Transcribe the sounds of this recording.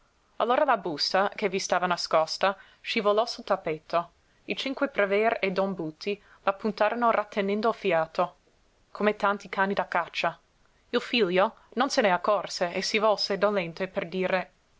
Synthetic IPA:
alːoːɾalabust̪akevist̪aːvanaskɔst̪a | ʃivolɔsult̪apːet̪ʰːo | it͡ʃiŋkwepɾevɛɾed̪ɔnbut̪ʰːi | lapːunt̪aːɾonorʔat̪ʰːenɛnd̪oalfjaːt̪o | kʰomet̪ant̪ikʰaːnid̪akːat͡ʃːa | ilfiʎjo | nonseneakːɔrseesivɔlsed̪olɛnt̪eperd̪iːɾe

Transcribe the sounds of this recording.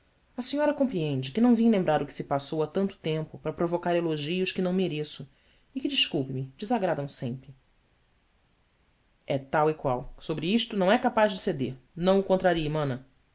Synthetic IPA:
ɐsiɲɔɾɐkõpɾiẽnd͡ʒɪkɪnɐ̃w̃vĩlẽmbɾaɾʊkɪ̥sɪpasowat̪ɐ̃nt̪ʊ̥t̪ẽmpʊpɾɐpɾovokaɾeloʒiʊʃkɪnɐ̃w̃meɾesʊ | ɪkɪd͡ʒɪʃkuwpɪmɪd͡ʒɪzaɡɾad̪ɐ̃w̃sẽmpɾɪ | ɛt̪awɪkwawsobɾɪiʃt̪ʊnɐ̃w̃ɛkapaʒd͡ʒɪsed̪eɾnɐ̃w̃ʊkõnt̪ɾaɾiɐmɐ̃nɐ

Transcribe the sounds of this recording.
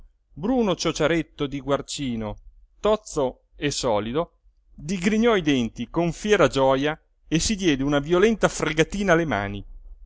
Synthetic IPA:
bɾuːnot͡ʃot͡ʃaɾet̪ːod̪iɡwart͡ʃiːnot̪ɔt̪so | esɔːlid̪o | d̪iɡɾiɲɔid̪ɛnt̪ikoɱfjɛːɾad͡ʒɔːja | esːid̪jɛːd̪eunavjolɛnt̪afreɡat̪iːnaːlema̰ːni

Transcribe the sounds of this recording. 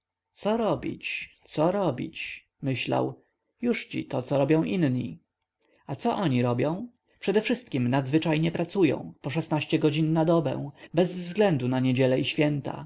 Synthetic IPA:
t̪sɔɾɔbʲḭt͡ɕt̪sɔɾɔbʲḭt͡ɕ | mɘɕla̰w | juʂt͡ɕḭt̪ɔt̪sɔɾɔbʲjɔ̃w̃ʔinɲḭ | at̪sɔʔɔɲiɾɔbʲjɔ̃w̃ | pʂɛd̪ɛfʂɘst̪̚kʲimnad̪zvɘt͡ʂajɲɛpɾat̪sujɔ̰̃w̃pɔʂɛsnaɕt͡ɕɛɡɔd͡ʑinːad̪ɔbɛ̰̃w̃bɛzvzɡlɛnd̪unaɲed͡ʑɛlɛiɕfʲjɛnt̪a̰

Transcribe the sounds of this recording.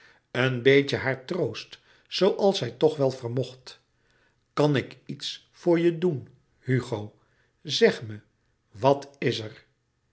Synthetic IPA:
ənbejcəɦaːɹtrowst | sowʔɑlˠsɛjtɔχʋɛlˠvərmɔχt | kɑnɪkits | fʊːɹjədun | hyχow | zɛχmə | ʋɑtɪsəɹ

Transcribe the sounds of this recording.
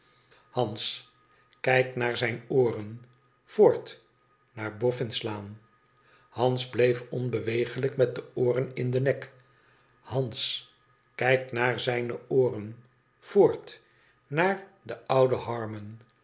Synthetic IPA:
hɑns | kɛjknaːɹzɛjnoːrən | v̥ʊːɹt | naːɹbɔfɪnslaːn | hɑnzblejfɔnbəʋejχələkmɛt̚dəʊːrənɪndənɛk | hɑns | kɛjknaːɹzɛjnəoːrən | v̥oːɹt | naːɹdəʌwdəhɑɹmən

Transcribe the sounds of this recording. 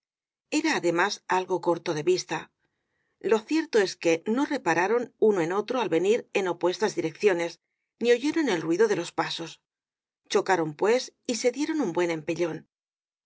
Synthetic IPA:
e̞ɾaːðe̞masalɣo̞ko̞ɾt̪o̞ðe̞βist̪a | lo̞θje̞ɾt̪o̞e̞ske̞no̞re̞paɾaɾo̞nunoe̞no̞t̪ɾoalβe̞niɾe̞no̞pwe̞st̪azðiɾe̞k̚θjo̞ne̞s | nio̞ʝe̞ɾo̞ne̞lrwiðo̞ðe̞lo̞spaso̞s | t͡ʃo̞kaɾo̞mpwe̞sise̞ðje̞ɾo̞numbwe̞nẽ̞mpe̞ʎo̞n

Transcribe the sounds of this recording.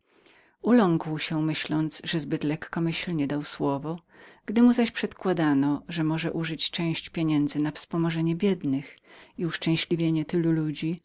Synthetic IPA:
ulɔŋkwɕɛmɘɕlɔnd̪zʐɛzbɘt̪lɛkːɔmɘɕlɲɛd̪awswɔvɔɡ̥d̪ɘmuzaɕpʂɛt̪kwad̪anɔʐɛmɔʐɛʔuʐɨt͡ɕt͡ʂɛ̃w̃ɕt͡ɕpʲjeɲɛnd̪zɘnafspɔmɔʐɛɲɛbʲjɛd̪nɘxiuʂt͡ʂɛ̃w̃ɕlʲivʲjeɲɛt̪ɘlulud͡ʑi

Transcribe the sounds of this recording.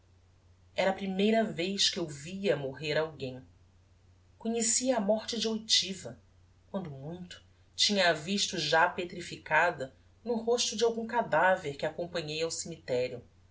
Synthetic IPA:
ɛɾɐːpɾimejɾɐvejʃkɪewviɐmoɦeɾawɡẽj̃ | koɲesiɐːmɔɾt͡ʃɪd͡ʒɪojt͡ʃivɐ | kwɐ̃nd̪ʊmũj̃t̪ʊ̥ | t͡ʃĩɲɐːviʃt̪ʊʒapet̪ɾifikad̪ɐ | nʊhoʃt̪ʊd͡ʒɪawɡũŋkad̪aveɾkɪakõpɐ̃ɲejɐwsemit̪ɛɾjʊ

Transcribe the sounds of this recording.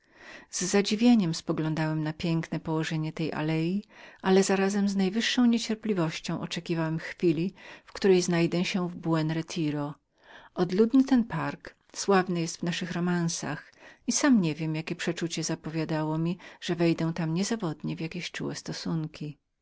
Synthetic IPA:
zːad͡ʑivʲjeɲɛmspɔɡlɔ̃nd̪awɛmnapʲjɛŋknɛpɔwɔʐɛɲɛt̪ɛjʔa̰lɛjialɛzaɾazɛmznajvɘʂːɔ̃w̃ɲet͡ɕɛɾplʲivɔɕt͡ɕɔ̃w̃ʔɔt͡ʂɛkʲivawɛmxfʲilʲifkt̪uɾɛjznajd̪ɛɕɛvbuɛnɾɛt̪ʲʰiɾɔ | ʔɔd̪lud̪nɘt̪ɛnpaɾk | swavnɨjɛst̪vnaʂɘxɾɔmansa̰x | isamɲɛvʲjɛmjakʲɛpʂɛt͡ʂut͡ɕɛzapɔvʲjad̪awɔmʲiʐ̥ɛvɛjd̪ɛ̃w̃t̪amɲɛzavɔd̪ɲɛvʲjakʲeɕt͡ʂṵwɛst̪ɔsuŋkʲi

